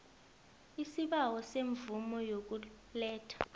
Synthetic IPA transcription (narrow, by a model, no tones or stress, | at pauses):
isiɓawɔseɱvumɔjok̬u | lɛːtʰḁ